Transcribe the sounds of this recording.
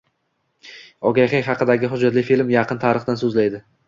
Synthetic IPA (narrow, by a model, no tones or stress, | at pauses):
ɒɡʲajχejɦɑqʰɨd̪aɡʲɪɦʊd͡ʒːat̪lɪfilmjɑqʰɨnt̪ʰaɾɨχd̪ansɵzlajd̪ɪ